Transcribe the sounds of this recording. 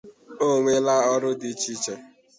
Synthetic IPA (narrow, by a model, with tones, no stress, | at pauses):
o˦˨ŋʷe˦la˦ɔ˦ɾʊ˦di˨˦t͡ʃi˦t͡ʃe˨